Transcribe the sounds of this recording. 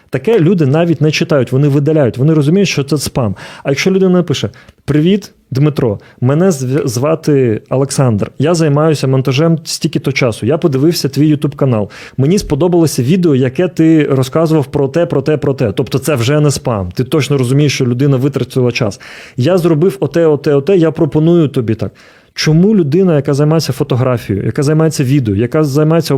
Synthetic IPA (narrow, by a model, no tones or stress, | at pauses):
t̪ɐkɛlʲud̪ɪnɑʋʲitʲnɛt͡ʃɪt̪ɑjʊtʲʋɔnɪʋɪd̪ɐlʲajʊtʲʋɔnɪɾɔzʊmʲijʊtʲʃt͡ʃɔt̪sɛspɑmɐjɐkʃt͡ʃɔlʲʊd̪ɪnɐnɐpɪʃɛpɾɪʋʲit̪ | d̪mɪt̪ɾɔ | mɛnɛzʋɑt̪ɪɐlˠeksɑnd̪rjazɐjmɑjʊsʲɐmɔnt̪ɐʒɛmsʲtʲilʲkʲɪt̪ɔɦɔt͡ʃɑsʊjapɔd̪ɪʋɪwsʲɐt̪ʋʲijːʊt̪ʲubkɐnɑ̰lˠ | menʲispɔd̪ɔbɐlˠɔsʲɐʋʲid̪eɔjɐkɛt̪ɪrɔskɑzʊʋɐwpɾɔt̪ɛpɾɔt̪ɛpɾɔt̪ɛt̪ɔpt̪ɔt̪sɛwʒɛnɛspɑ̰nt̪ɪt̪ɔt͡ʃnɔɾɔzʊmʲijeʃt͡ʃɔlʲʊd̪ɪnɐʋɪt̪ɾɐt͡s̪ʲʊɐlˠɐt͡ʃɑ̰sjazrɔbɪwɔt̪ɛɔt̪ɛɔt̪ɛjapɾɔpɔnujʊt̪ɔbʲit̪ɑ̰k | t͡ʃɔmulʲʊd̪ɪnɐjɐkɑzɐjmɑjesʲːɐfɔt̪ɔɦɾɑfʲijʊ̰jɐ̰kazɐjmɑjet͡sʲːɐʋʲid̪eɔjɐkazɐjmɑjet͡sʲːɐ